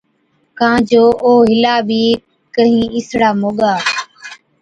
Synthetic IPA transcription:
kãːd͡ʒoːʔoːɦɪlaːbʱiː | kəɦĩːɪsɽaːmoːɠaː

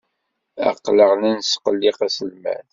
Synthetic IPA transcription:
æ̰qːləʁnænsqəlːiqæsəlmæ̰n

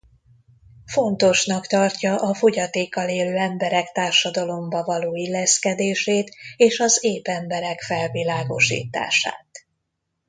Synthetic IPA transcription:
fo̞nt̪o̞ʃnɒkt̪ɒrcɒʔɒfo̞ɟɒt̪eːkːɒleːløːɛmbɛɾɛkt̪aːrʃɒd̪ɒlo̞mbɒvɒloːilːɛskɛd̪eːʃeːt̪eːʃɒzeːpɛmbɛɾɛkfɛlvilaːɡo̞̰ʃḭːt̪a̰ːʃa̰ːt̪

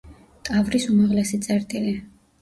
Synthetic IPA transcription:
t̪ʼavɾisumaʁlɛsit̪sʼɛɾt̪ʼili

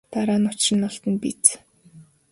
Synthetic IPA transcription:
t̪aɾaːnʊt͡ɕrɪ̆nːʊɬt̪ə̆npit͡s

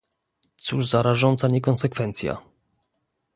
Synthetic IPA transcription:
t̪suʐzaɾaʐɔnt̪saɲɛkɔnsɛkfɛnt̪sʲja̰

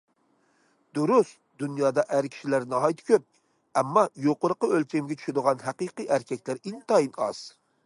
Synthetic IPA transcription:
d̪uɾusd̪unjɑːd̪ɑʔæɾkʲʰi̥ʃilæɾnɑɦɑjt̪ʰɪ̥kʲʰøp̚ | ɛmːɑjoqʊɾəqəølt͡ʃʲɛmɡʲɛt͡ʃʰy̥ʃɪd̪əʁɑnɦæqɨqɨjʔæɾkʲʰɛk̚ʲlæɾint̪ɑjinɑ̰z̥

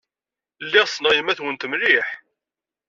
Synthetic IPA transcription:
lːɪʁsnəʁjəmæθwənt̪mliħ

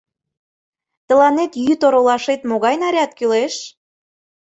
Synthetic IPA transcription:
t̪ə̆lɑnet̪jyt̪oɾolɑʃet̪moɣɑjnɑɾʲɑt̪kyleʃ

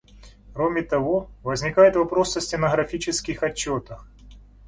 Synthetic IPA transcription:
kɾomʲɪt̪ɐvo̞vəzʲnʲɪkajɪt̪vɐpɾo̞səsʲtʲɪnəɣɾɐfʲit͡ɕɪskʲɪxɐt͡ɕːo̞t̪əf

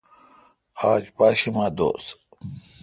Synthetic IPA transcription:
aːd͡ʑpaːɕimaːd̪o̰ːs

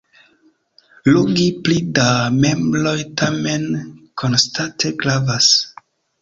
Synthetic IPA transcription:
loɡiplidame̞mblo̞jtʰame̞nkʰo̞nstatʰe̞ɡɾavas

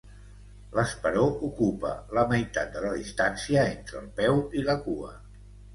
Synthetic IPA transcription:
ləspəɾoʔukupə̰ləməjt̪at̪̚d̪ələðist̪ansiəent̪ɾə̰ːlˠpɛwiləkuə

